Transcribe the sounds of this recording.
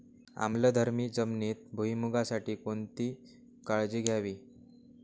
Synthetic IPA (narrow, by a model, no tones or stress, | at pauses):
a̰mləd̪ʱəɾmiːd͡zəmniːt̪̚bʱuimuɡasaʈiːkont̪iː | kaɭd͡ʑiːɡʱjaʋiː